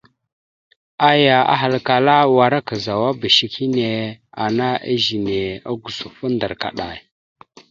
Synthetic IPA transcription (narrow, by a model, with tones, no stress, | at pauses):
a˦ja˨a̰˦ɦa˨lka˨la˦wa˨ɾa˦ka˨za˨wa˦bə˨ʃi˨ki˦ne˨a˨na˦ʔa̰˦ʒi˨ne˨a̰˦ɡu˨su˨fə˦ndə˨ɾka̰˨ɗa˨j